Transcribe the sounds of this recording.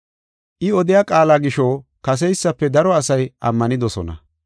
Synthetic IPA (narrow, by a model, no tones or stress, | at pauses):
ʔɪɔd̪ɪjaːkʼaːlaːɡɪʃoːkɐs̬ɛjsːɐpːɛd̪ɐɾɔɐsɐjʔɐ̰mːɐnɪd̪ɔsɔnɐ̰